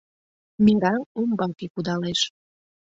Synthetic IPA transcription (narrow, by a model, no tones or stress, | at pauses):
miŋɡɑlumbɑkekud̪ɑleʃ